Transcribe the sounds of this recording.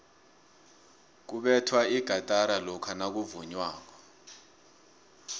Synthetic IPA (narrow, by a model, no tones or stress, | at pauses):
k̬uɓɛtʰwaiɡ̥ʱatʼaɾalɔkʰanak̬uvuɲwaːk̬ɔ̥